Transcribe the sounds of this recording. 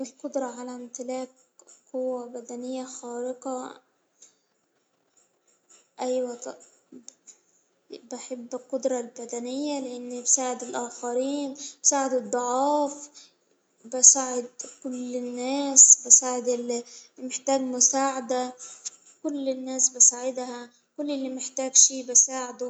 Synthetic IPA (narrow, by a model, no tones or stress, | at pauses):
ʔɪlqʊd̪ɾˤɑʕalaɪmt̪ɪlæːk̚ | qʊwːabad̪anɪjːaxaːɾɪqɑ | ʔajwat̪ | baħabːɪlqʊd̪ɾˤɑlbad̪anɪjːalɪʔɪnːibsaːʕɪd̪ɪlʔaːxaɾiːnb̥saːʕɪd̪ɨd̪ˤːʊʕɑːf | basaːʕɪd̪kʊlɪnːeːsbɪsaːʕɪd̪ɪlmɪħt̪aːɡmʊsaːʕad̪a | kʊlːɪnːeːsbɪsaːʕɪd̪ha | kʊlːʔɪlːimɪħt̪aːɡʃiːbɪsaːʕɪd̪u